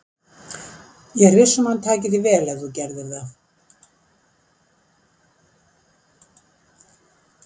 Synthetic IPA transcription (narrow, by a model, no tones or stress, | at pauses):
jɛɣɾvɪ̥sʏmhanːt̪ʰaːcɪðɪvɛːlɛθucɛɾðɪɾθa